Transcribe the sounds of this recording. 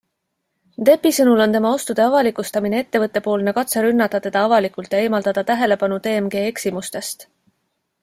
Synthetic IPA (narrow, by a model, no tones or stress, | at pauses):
d̪̥e̞pːisɤnulo̞nt̪e̞mɑo̞st̪ud̪̥e̞ɑvɑlikˑust̪ɑmine̞e̞t̪ːe̞vɤt̪ːˑe̞po̞ːlne̞kɑt̪seɾynːɑt̪ːɑt̪e̞d̪̥ɑɑvɑlikult̪jɑemɑld̪̥ɑd̪̥ɑt̪æɦe̞le̞pɑnut̪e̞ːmɡe̞ːeksimust̪e̞st̪